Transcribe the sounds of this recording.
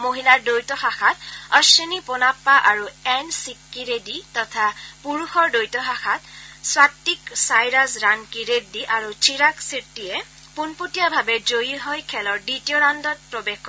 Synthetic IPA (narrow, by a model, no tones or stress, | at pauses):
moɦilaɹdojtɔxaxatɔsenipɔnapːaʔaɹuɛnsikːiɹeditɔtʰapuɹuxɔɹdojtɔxaxatswatːiksajɹasɹankiɹediʔaɹut͡ʃiɹaksiɹtijɛ | punputijabʱabɛzojiɦɔjkʰɛlɔɹditijɔɹandɔt̚pɹɔbexkɔ